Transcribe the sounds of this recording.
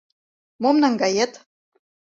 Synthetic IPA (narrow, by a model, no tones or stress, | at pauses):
momnɑŋɡɑjet̪